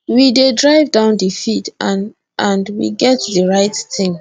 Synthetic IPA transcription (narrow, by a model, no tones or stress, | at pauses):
widedɹaɪvdãʊ̃ndifit | ʔãndwḭɡɛtdəɹaɪttɪ̃ŋ